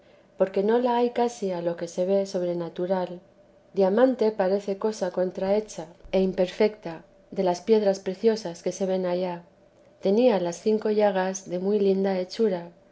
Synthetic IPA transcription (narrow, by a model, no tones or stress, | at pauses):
po̞ɾke̞no̞laajkasialo̞ke̞se̞β̞e̞so̞β̞ɾe̞nat̪uɾal | d̪jamãnt̪e̞paɾe̞θe̞ko̞sako̞nt̪ɾae̞t͡ʃae̞impe̞ɾfe̞kt̪a | ðe̞laspje̞ðɾaspɾe̞θjo̞saske̞se̞β̞e̞naʎa | t̪e̞nialasθiŋko̞ʝaɣ̞azðe̞mujlind̪ae̞t͡ʃuɾa